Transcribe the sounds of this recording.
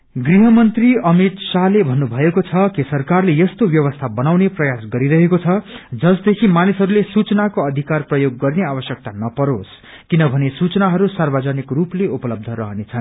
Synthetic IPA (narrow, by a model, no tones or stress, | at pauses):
ɡriɦʌmʌnt̪riʌmit̪salebʱʌnːubʱʌekot͡sʰʌkisʌrkarlejʌst̪objʌβʌst̪ʰabʌnawneprʌjasɡʌɾiɾʌɦekot͡sʰʌd͡zʌsd̪ekʰimanisɦʌɾulesut͡snakoʌd̪ʱikarprʌjoɡːʌrneabʌsjʌk̚t̪anʌpʌɾos | kinʌbʱʌnesut͡sʌnaɦʌɾusarbad͡zanikrupleupʌlʌb̚d̪ʱʌɾʌɦʌnet͡sʰʌn